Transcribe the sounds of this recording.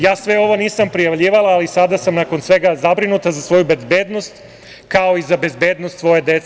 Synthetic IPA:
jaːsʋe̞o̞ʋo̞niːsampɾijaʋʎʲiːʋalˠaːlisad̪asamnako̞nsʋe̞ɡazabɾinut̪azasʋo̞jube̞zbeːd̪no̞st̪ | kao̞izabe̞zbeːd̪no̞st̪sʋo̞jed̪e̞t̪se

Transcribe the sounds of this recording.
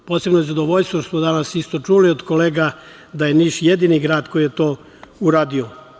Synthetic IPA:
pose̞bnojezad̪oʋoʎst̪ʋotosmod̪anasist̪o̞t͡ʃuːliod̪koleːɡa | d̪ajeniʃjed̪iːniɡɾaːd̪ko̞jijet̪oː | uɾaːd̪io

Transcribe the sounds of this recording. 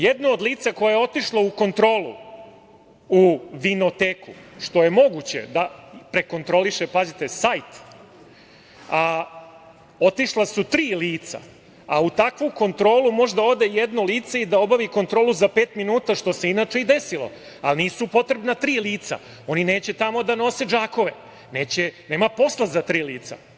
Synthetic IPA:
jed̪nood̪lˠiːt̪sako̞jajeo̞t̪iʃlˠouko̞nt̪ɾo̞ːlṵ | uʋino̞t̪eːkuʃt̪o̞je̞mo̞ɡut͡ɕe̞̰d̪apɾe̞ko̞nt̪ɾo̞liʃe̞pazit̪e̞sajt̪ | a | o̞t̪iʃlˠasut̪ɾiːliːt̪sa̰ | aut̪akʋuko̞nt̪ɾo̞ːlˠumo̞ʒd̪ao̞d̪e̞jed̪noliːt̪said̪ao̞baʋiko̞nt̪ɾo̞ːluzapeːt̪minuːt̪aʃt̪o̞se̞inat͡ʃe̞id̪e̞silˠo̰ | a̰lniːsupo̞t̪ɾebnat̪ɾiːliːt̪sa̰ | o̞nine̞ːt͡ɕe̞t̪amo̞d̪ano̞se̞d͡ʒaːko̞ʋe | ne̞ːt͡ɕene̞ːmapo̞slˠazat̪ɾiːliːt̪sa̰

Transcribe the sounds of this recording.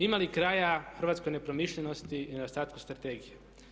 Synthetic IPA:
imalikɾaːjaxərʋat̪sko̞jne̞pɾomiʃʎenost̪iːned̪ost̪aːt̪ku̥st̪ɾat̪eːɡije

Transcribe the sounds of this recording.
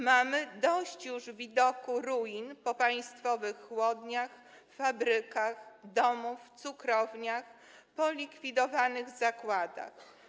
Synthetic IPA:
mamɘd̪ɔɕt͡ɕjuʐvʲid̪ɔkuɾujinpɔpaj̃st̪fɔvɘxːwɔd̪ɲax | fabɾɘkaxd̪ɔmuft̪sukɾɔvɲax | pɔlʲikfʲid̪ɔvanɘɣzakwad̪a̰x

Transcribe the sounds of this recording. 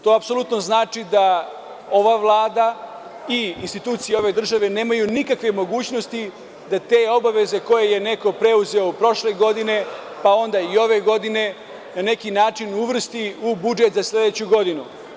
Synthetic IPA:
t̪o̞apso̞lˠut̪no̞znaːt͡ʂid̪a | o̞ʋaʋlˠaːd̪a | iinst̪it̪uːt̪sieo̞ʋe̞d̪r̩ʒaʋe̞ne̞ːmajunikakʋe̞mo̞ɡuːt͡ɕno̞st̪i | d̪at̪e̞ːo̞baʋe̞ze̞ko̞je̞je̞ne̞ko̞pɾe̞uze̞opɾo̞ʃle̞ɡo̞d̪ine̞ | pao̞nd̪aio̞ʋe̞ɡo̞d̪ine̞ | nane̞kinaːt͡ʃinuʋr̩st̪iubud͡ʒe̞t̪zasle̞d̪e̞t͡ɕuɡo̞d̪inu

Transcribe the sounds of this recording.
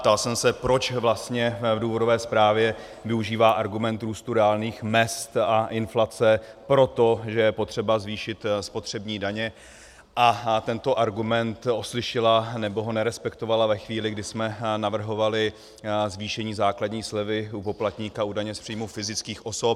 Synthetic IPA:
t̪alsɛmsɛpɾo̞t͡ʃvlast̪ɲɛvduːvo̞do̞vɛːspɾaːvjɛ | vɪuʒiːvaːʔaɾɡumɛnt̪ɾuːst̪uɾɛaːlniːxmɛst̪aʔɪnflat͡sɛpɾo̞t̪o̞ʒɛjɛpo̞t̪r̥ɛbazviːʃɪt̪spo̞t̪r̝̥ɛbɲiːdaɲɛ | ʔat̪ɛnt̪o̞ʔaɾɡumɛnt̪oslɪʃɪlanɛbo̞ɦo̞nɛɾɛspɛkt̪o̞valavɛxviːlɪɡdɪsmɛnavr̩ɦo̞valɪ | zviːʃɛɲiːzaːkladɲiːslɛvɪupo̞plat̪ɲiːkaudajɲɛspr̥iːjmufɪzɪt͡skiːxʔo̞sop̚

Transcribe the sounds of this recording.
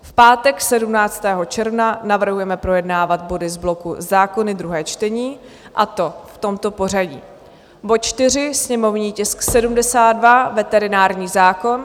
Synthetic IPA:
fpaːt̪ɛksɛdumnaːt͡st̪ɛːɦo̞t͡ʃɛɾvnanavr̩ɦujɛmɛpɾo̞jɛdnaːvat̪̚bo̞dɪzblo̞kṵzaːko̞nɪd̪ɾuɦɛːt͡ʃt̪ɛɲiː | ʔat̪o̞ft̪o̞mt̪o̞po̞r̝aɟḭː | bot̪t͡ʃt̪ɪr̝ɪsɲɛmo̞vɲiːcɪsksɛdumdɛsaːd̪̚dvavɛt̪ɛɾɪnaːɾɲiːzaːko̞n

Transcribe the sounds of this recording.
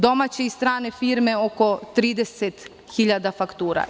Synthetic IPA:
d̪o̞mat͡ɕeist̪ɾaːne̞fiɾme̞o̞ko̞t̪ɾiːd̪eset̪ | xiʎad̪afakt̪uːɾa̰

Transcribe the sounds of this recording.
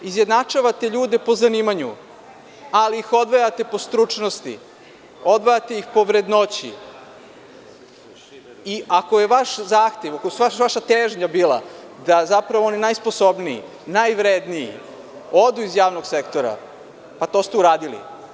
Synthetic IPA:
izjed̪nat͡ʂaʋat̪e̞ʎuːd̪e̞po̞zaniːmaɲu | aliixo̞d̪ʋojat̪e̞po̞st̪ɾut͡ʂnost̪ḭ | o̞d̪ʋojat̪e̞jixpo̞ʋɾe̞d̪no̞t͡ɕḭ | iʔako̞jeʋaʃzaːxt̪eʋakosuaʋaʃat̪eːʒɲabiːlˠa̰d̪azapɾaʋo̞ninajsposo̞bniḭ | najʋɾed̪nijḭ | o̞d̪uizjaːʋnoɡsekt̪o̞ɾa̰ | pat̪o̞ːst̪euɾaːd̪ilḭ

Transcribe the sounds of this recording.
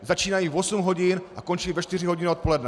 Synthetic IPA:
zat͡ʃiːnajivosumɦo̞ɟinʔako̞nt͡ʃɪlvɛʃt̪ɪr̝ɪɦoɟɪnot̪̚po̞lɛdnɛ

